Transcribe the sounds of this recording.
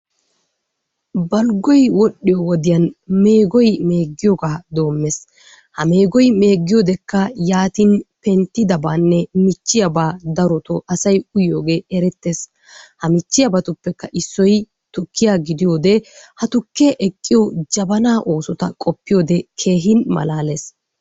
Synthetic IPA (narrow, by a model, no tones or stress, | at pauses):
bɐlɡɔjwɔɗːɪjɔwɔd̪ɪjɐnme̞ːɡɔjme̞ːɡːɪjɔɡaːd̪o̞ːmːes | hɐme̞ːɡɔjme̞ːɡːɪjod̪ɛkːɐjaːt̪ɪnpɛnt̪ːɪd̪ɐbaːnːɛmɪt͡ʃːɪjɐbaːd̪ɐɾɔt̪ɔʔɐsɐjʊjo̞ːɡe̞ːɛɾɛt̪ːeːs | hɐmɪt͡ʃːɪjɐbɐt̪ʊpːɛkːɐʔɪsːɔj | t̪ʊkːɪjaɡɪd̪ɪjoːd̪ɛhɐt̪ʊkːeʔɛkʼːɪjɔd͡ʒɐbɐnaːʔo̞ːsɔt̪ɐkʼɔpːɪjoːd̪ɛkʰe̞ːɦɪnmɐ̰laːles